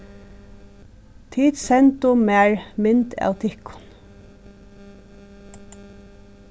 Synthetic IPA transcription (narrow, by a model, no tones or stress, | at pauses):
t̪ʰiːt̪sɛnt̪ʊmæːɹmɪnt̪a̰ːwt̪ʰɪhkʊ̥n